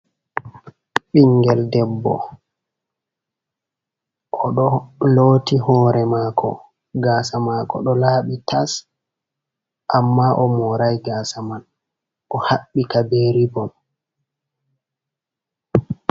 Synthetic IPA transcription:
ɓiŋɡɛldɛbːɔ̰ | ʔɔɗɔloːtihɔːɾɛmaːkʰɔ̰ | ɡaːsamaːkɔ̰ɗɔlaːɓitas | ʔamːaʔɔmɔɾajɡaːsaman | ʔɔhaɓːikabeːɾibɔn

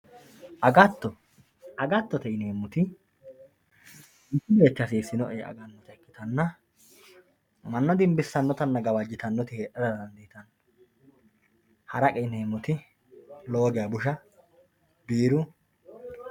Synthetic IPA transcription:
ʔɐɡɐt̪ːɔ | ʔɐɡɐt̪ːɔt̪ɛneːmːʊt̪ɪ | ɪsːɪbeːt͡ʃːɐsiːsɪnɔʔɛ̰ɐ̰ɡɐnːɔt̪ɐkːɪt̪ɐnːɐ | mɐnːɐd̪ɪmbɪsːɐnːɔt̪ɐnːɐɡɐwɐd͡ʒːɪt̪ɐnːɔt̪ɪheːʔɐd̪ɐd̪ɐnd̪iːt̪ɐnː | hɐɾɐkʼɛɪneːmːʊt̪ɪ | loːɡɛjɐbʊʃɐ | biːɾʊ

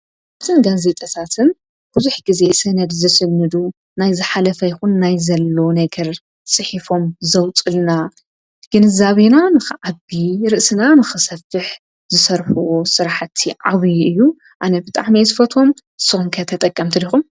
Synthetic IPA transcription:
at̪ʰɨnɡaze̞t̪ʼɐt̪ʰat̪ʰɨn | b̥uzuħɡize̞sɐnɐd̪zɨsɨnːɨd̪u | najzɨħalɐfɐjɪxunːajzɐlːonɐɡɐɾ | sʼɨħifo̞mzɐwt͡sʼɨlna | ɡ̥ɨnɨzaβenanɨxɨʕaβiɾɨʔsɨnanɨxɨsɐfːɨħ | zɨsɐɾħuwosɨɾaħt̪ʰːiʕa̰βjʔɨjːu | ʔanɐbɨt̪ʼa̰ʕmijzɨfɐt̪ʰo̞m | ɨsːɨxumkʰɐt̪ʰɐt̪ʼɐkʼːɐmt̪ʰɨd̪ixum

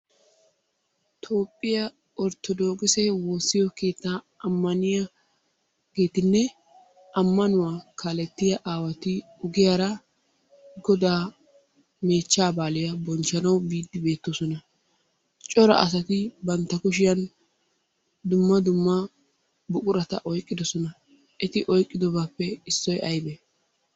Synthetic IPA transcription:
t̪ʰo̞ːpʼːɪjɐ | ɔɾt̪ɔd̪o̞ːkʼɪsɛwoːsːɪjɔke̞ːt̪ːa | ɐmːɐnɪjɐ | ɡ̥e̞ːt̪ɪnːɛ | ʔɐmːɐnʊwaːkʰalɛt̪ːɪjɐʔaːwɐt̪ɪʊɡɪjaɾɐ | ɡɔd̪aː | me̞ːt͡ʃːaːbaːlɪjɐbɔnt͡ʃːɐnɐwbiːd̪ːɪbe̞ːt̪ːosɔnɐ | t͡ʃʼɔɾɐ̰ʔɐ̰s̬ɐt̪ɪbɐnt̪ːɐkʊʃɪjɐn | d̪ʊmːɐd̪ʊmːɐ | bʊkʼʊɾɐt̪ɐ̰ʔɔjkʼːɪd̪ɔsɔnɐ | ʔɛt̪ɪʔɔjkʼːɪd̪ɔbaːpːɛɪsːɔjʔɐjbe

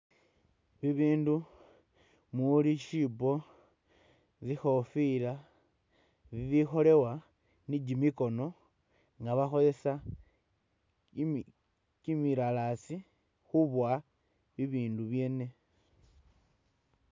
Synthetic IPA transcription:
βiβiːndu | muliʃibo | t͡sixo̞fila | βiβixo̞le̞wa | nid͡ʒimiko̞no̞ | ŋɡaβaxo̞le̞sa | kimiɾalasi | xuβwa | βiβiːnduβje̞ːne̞

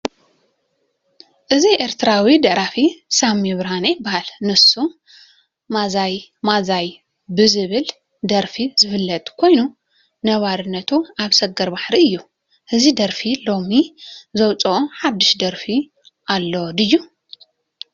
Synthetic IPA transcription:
ʔɨziʔe̞ɾt̪ʰɨɾawid̪ɐʔɾafisamiβɾhanɐjbːahalnɨsu | mazajmazaj | bɨzɨβɨl | d̪ɐɾfizɨfɨlːɐt̪ʼkʰo̞jnu | nɐβaɾɨnːɐt̪ʰuaβsɐɡɐɾbaħɾiɨjːu | ʔɨzid̪ɐɾfilo̞mizɐwt͡sʼɐoħad̪ːɨʃd̪ɐɾfi | ʔalːo̞d̪ɨjːu

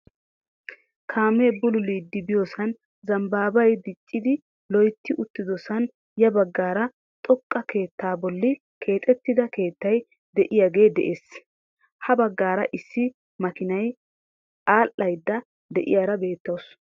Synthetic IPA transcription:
kʰaːmeːbʊlʊliːd̪ːɪbɪjosɐn | zɐmbaːbɐjd̪ɪt͡ʃʼːɪd̪ɪ | lɔjt̪ːɪʔʊt̪ːɪd̪ɔsɐn | jɐbɐɡːaːɾɐ | t̪ʼɔkʼːɐke̞ːt̪ːaːbɔlːɪ | kʰe̞ːt̪ʼɛt̪ːɪd̪ɐke̞ːt̪ːɐj | d̪ɛʔɪjaɡe̞ːd̪ɛ̰ʔeːs | hɐbɐɡːaːɾɐʔɪsːɪ | mɐkɪnɐj | ʔaːʔːɐjd̪ːɐ | d̪ɛʔɪ̰jaːɾɐbe̞ːt̪ːɐws

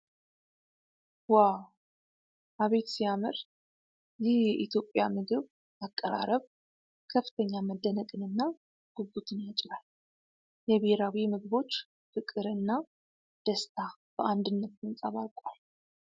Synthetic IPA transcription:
waw | ʔaβe̞t̪sijamɨɾ | jɛjɛʔit̪ʰjo̞pʼːjamɨɡɨβ | ʔakʼːəɾa̰ɾəβ | kʰəfːɨ̥t̪ʰəɲːaməd̪ːənəkʼɨnɨnːa | ɡ̥uɡut̪ʰɨnjat͡ʃʼlal | jɛβeɾawimɨɡɨβo̞t͡ʃː | fɨkʼɨɾɨnːa | d̪̥əst̪ʰab̥əʔand̪ɨnːət̪̚ːɨnsʼaβalkʼal

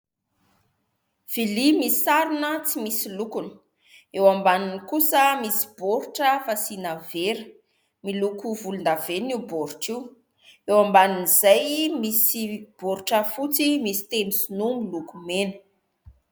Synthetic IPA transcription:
v̥ilimisaɾunət͡simisilukunə̥ | ewambaninikusəmisi̥b̥oɾuʈ͡ʂəfasinaveɾə | milukuvulund̪aveniuboɾuʈ͡ʂiw | ewambaninizajmisib̥oɾuʈ͡ʂəfut͡simisi̥t̪emisinumilukumenə̥

